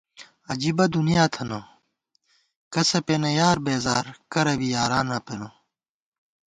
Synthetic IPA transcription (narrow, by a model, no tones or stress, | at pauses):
ɐd͡ʑibɐd̪unijaːt̪ʰɐno | kɐsɐpenɐjaːɾbeːzaːɾkɐɾɐbijaːɾaːnɐpeno